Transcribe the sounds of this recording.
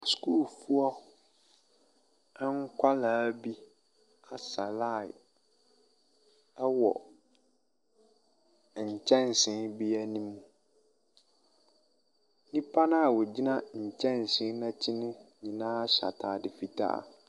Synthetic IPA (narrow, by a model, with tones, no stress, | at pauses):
sku˦˨lfu˦ɔ˦ | ŋ˦kʷʰa˦la˨˦bi˦ | a˨sa˨la˦˨ | ɛ˦wɔ̰˨ | ɲ̩˨t͡ɕʰɛ̃˦n˨sɪ̃˨˦nbi˦a˦nĩ˦mũ˨ | nĩ˦pʰa˦nã˦a˨wʊ˨d͡ʑi˦nã˦ɲ̩˨t͡ɕʰɛ̃˦n˨sɪ̃˦nã˦t͡ɕʰi˦nɪ̃˦ɲĩ˨nã˦a˦ɕa̰˨tʰa˨dɪ˨fi˨tʰa̰˦a̰˨